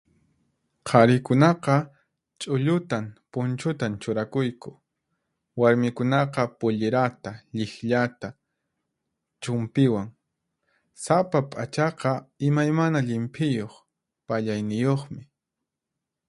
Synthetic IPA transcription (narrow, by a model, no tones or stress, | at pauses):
qʰɑɾɪkʊnɑqɑ | t͡ʃʼʊʎʊt̪ampʊnt͡ʃʊt̪ant͡ʃʊɾakʊjkʊ̥ | waɾmɪkʊnɑqɑpʊʎɪɾat̪aʎɪxʎat̪a | t͡ʃʊmpɪwaŋ | sapapʼat͡ʃɑqɑɪmajmanaʎɪmpʰʼɪjoχ | paʎajnɪjoχmɪ